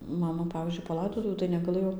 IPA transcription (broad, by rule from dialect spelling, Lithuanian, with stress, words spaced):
ˈmɑːmɐ ˈpɑːʋʲiːzʲd͡ʒʲʊɪ pɐˈlˠɐɪdoːtʊʋʲuː tɐɪ nʲɛɡɐˈlˠɘjoː